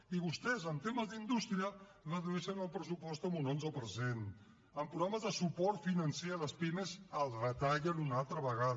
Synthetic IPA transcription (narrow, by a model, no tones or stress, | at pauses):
iβust̪ɛzənt̪eməzðind̪ust̪ɾiə | rəðuɾɛʃənəlˠpɾəsupɔst̪əmunonzəpəɾsen | əmpɾuɣaməzðəsupɔɾt̪finənseələspimezəlˠrət̪aʎənunalˠt̪ɾəβəɣað